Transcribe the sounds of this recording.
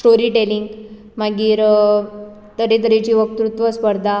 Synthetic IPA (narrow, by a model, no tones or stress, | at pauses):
sʈoɾiːʈeliŋɡ | maɡiːɾ | t̪əɾet̪̬əɾet͡ɕiːʋək̚t̪ɾut̪ʋəspəɾd̪ʱa